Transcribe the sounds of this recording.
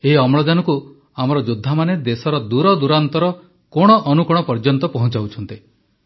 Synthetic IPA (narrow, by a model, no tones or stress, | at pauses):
eɦiɔmɭɔd͡ʒanɔku | amɔɾɔd͡ʒud̪ʱːamaned̪esɔɾɔd̪uɾɔd̪uɾant̪ɔɾɔ | kɔɽ̃ɔʔɔnukɔɽ̃ɔpɔɾd͡ʒɔnt̪ɔpɔɦɔ̃t͡ʃawt͡ʃʰɔnt̪i